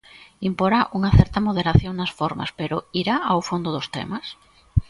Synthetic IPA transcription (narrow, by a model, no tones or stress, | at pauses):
impoɾaʔuŋɐθɛɾt̪ɐmoðeɾaθjoŋnɐsfoɾma̰speɾʊiɾaʔawfond̪ʊðost̪ḛmas